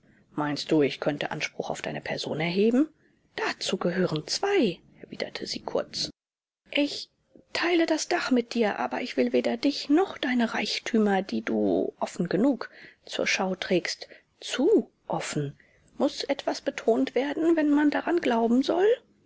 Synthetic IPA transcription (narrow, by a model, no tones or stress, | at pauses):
maɪnst̚d̥uːɪçkʰœntəʔa̰nʃpʁ̥ʊxaʊfd̥a̰ɪnəpʰɛɐzo̰ːnɛɐɦeːbm̩ | d̥at͡suːɡəɦøːʁənt͡sv̥aɪʔɛɐvḭːdɐ̰tʰəziːkʰʊɐt͡s | ʔɪç | tʰaɪlədasd̥aχmɪt̚d̥iːɐʔa̰ːbɐʔɪçv̥ɪlveːdɐdɪçnɔχd̥aɪnəʁaɪçtʰyːmɐdiːdṵːʔɔfn̩ɡənuːkt͡sṵːɐʃaʊtʁ̥ɛːkst | t͡suː | ʔɔfn̩ | mʊsʔɛtv̥asb̥ətʰoːntv̥eːɐdn̩vɛnmandaʁanɡlaʊbm̩zɔl